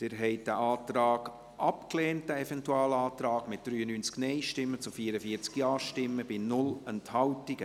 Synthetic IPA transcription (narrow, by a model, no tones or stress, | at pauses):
tɪɾɦɛɪt̚d̥æʔɑːt̪ɾɑːɡ | ʔɑpkleːnt̚d̥æɛfɛntuɑːlɑːtɾɑːɡmɪt̚d̪̥ɾyːənyːnt͡sknɛɪʃtɪmːət͡sufiəɾəfiəɾt͡skjɑːʃtɪmːəb̥inʊlɛnthɑwtiɡə